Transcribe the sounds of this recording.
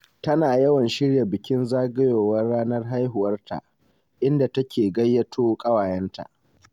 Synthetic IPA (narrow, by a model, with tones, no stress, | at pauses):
tɐ˦naː˨jɐ˦wɐ˨nʃɪ˦ɽja˨bɪ˨kʲɪ˦nzaː˦ɡɐ˦joː˨wɐ˦rːaː˦nɐ˦rɦa˦jɦʊ˨wɐ˦rtʰa̰˨ʔ | ʔɪ˦nda˨tɐ˦kʲeː˨ɡɐ˦jːɐ˦tʰoː˦kʼɐ˦waː˨jɐ˦nta̰˨ʔ